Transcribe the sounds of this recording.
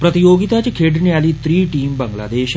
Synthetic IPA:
pɾət̪ijoɡit̪at͡ɕikʰeɽnialiːt̪ɾiːʈiːmbəŋɡla̰d̪eɕ

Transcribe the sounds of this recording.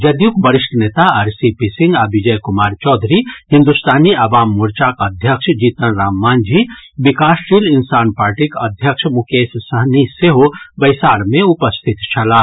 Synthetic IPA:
d͡ʒɐd̪jukbəɾiʃʈʰənet̪aɐɾsipisĩŋɡabid͡ʒəjkumaːɾt͡ʃɔːd̪ʱɾihĩnd̪ust̪ʰaːniɐʋaːmːuɾt͡ʃakəd̪ʱjəkʃʰd͡ʒiːt̪ənɾaːmːaːnd͡ʒibikaːsɾiːlinsaːnpaːɾʈikə̰d̪ʱjəkʃʰmukeːssəɦniseɦobɐjsaːɾmẽupəst̪ʰit̪t͡ʃʰɐlaː

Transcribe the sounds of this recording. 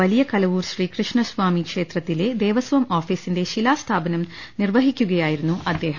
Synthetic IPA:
ʋɐlijɐkɐlɐʋuːɾʃɾiːkɾɨʂɳɐsʋaːmikʂeːt̪ɾɐt̪ːile̞d̪eːʋɐsʋɐmaːfiːsindeʃilaːst̪ʰaːbɐnɐm | nirʋɐɦikʲːuɡɐjaːjiɾunːuʔɐd̪ːeːɦɐ

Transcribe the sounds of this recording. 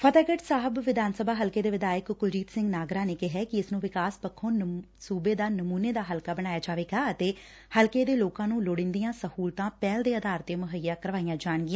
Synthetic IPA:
pʰət̪aːɡəʈsaːɦəbʋɪd̪aːnsəbaːɦəlkeːd̪eːʋɪd̪aːɪəkkʊlɾiːt̪sɪ̃ŋɡnaːɡɾaːneːkɪɦɛːkɪɪsnũːʋɪkaːspəkʰːõːn | suːbeːd̪aːnəmuːneːd̪aːɦəlkaːbəɽ̃aːjaːd͡ʒaːʋeːɡaːət̪eː | həlkeːd̪eːloːkãːnũːloːɽɪ̃nd̪ijãːsəhuːlt̪ãːpɛːld̪eːəd̪aːɾt̪eːmʊɦəjːaːkəɾʋaːijãːd͡ʒaːɳ̃ɡɪjãː

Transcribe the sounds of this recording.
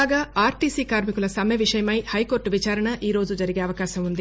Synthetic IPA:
ɡaːaːɾʈiːsiːkaːɾmikulɐsɐmjɐʋiʂɐjɐmɐjhɐjko̞ːɾʈʋit͡ʃaːɾɐɳɐʔiːɾo̞ːd͡ʒud͡ʒɐɾiɡeːɐʋɐkaːʃɐmund̪i

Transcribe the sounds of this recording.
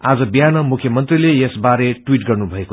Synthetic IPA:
ad͡zʌbjanʌmukʰjʌmʌnt̪rilejesbaɾeʈwiʈɡʌrnubʱʌeko

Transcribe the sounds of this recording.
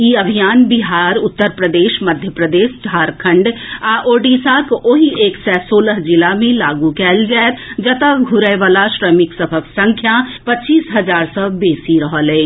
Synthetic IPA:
jiəbʱijaːnbiɦaːɾʊt̪ːəɾpɾəd̪eːʃməd̪ʱjəpɾəd̪eːʃd͡ʒʱaːɾkʰə̃ɳɖaʔoːɖiːsakoɦieːksɛsoːləɦd͡ʒɪlamẽlaːɡukɛːld͡ʒaːet̪d͡ʒət̪əɡʱʊɾəjʋaːlaʃɾəmɪksəbʰʱəksə̃ŋkʰjapət͡ʃiːsɦɐd͡ʒaːɾsə̃beːsiɾəɦəlɛː

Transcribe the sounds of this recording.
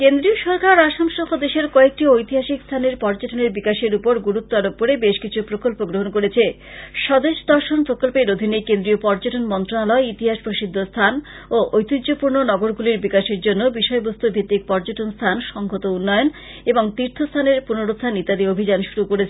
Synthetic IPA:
kend̪ɾioʃɔɾkaɾaʃamʃɔkʰod̪eʃeɾkɔek̚ʈiojt̪iɦaʃikst̪ʰaneɾpɔɾd͡ʑoʈoneɾbikaʃeɾupoɾɡuɾut̪ːaɾok̚poɾebeʃkit͡ɕʰupɾokolpoɡɾoɦonkoɾet͡ɕʰe | ʃɔd̪eʃd̪ɔɾʃonpɾokolpeɾod̪ʱinekend̪ɾiopɔɾd͡ʑoʈonmɔnt̪ɾonalɔeit̪iɦaʃpɾoʃid̪ʱːost̪ʰan | oʔojt̪id͡ʑd͡ʑʑopuɾnonɔɡoɾɡuliɾbikaʃeɾd͡ʑonːobiʃɔebost̪ubʱit̪ːik̚pɔɾd͡ʑoʈonst̪ʰanʃɔŋɡʱot̪ounːɔjon | eboŋt̪iɾt̪ʰost̪ʰaneɾpunoɾot̪t̪ʰanit̪ad̪iobʱid͡ʑanʃuɾukoɾet͡ɕʰe

